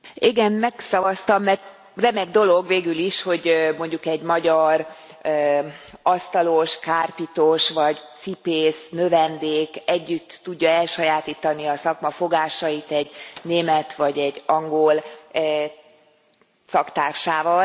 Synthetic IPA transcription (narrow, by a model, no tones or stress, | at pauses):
iɡɛnmɛksɒvɒst̪ɒmːɛrt̪ | rɛmɛɡd̪o̞lo̞ɡveːɡyliʃho̞ɟmo̞ɲɟukɛɟmɒɟɒr | øɒst̪ɒloʃkaːrpit̪oʃʋɒɟt̪sipeːsnø̞vɛnd̪eːkɛɟːyt̪ːuɟːɒɛlʃɒjaːt̪iːt̪ɒniɒsɒkmɒfo̞ɡaːʃɒjit̪ɛɟneːmɛt̪ʋɒɟɛɟːɒŋɡol | sɒkt̪aːrʃaːvɒl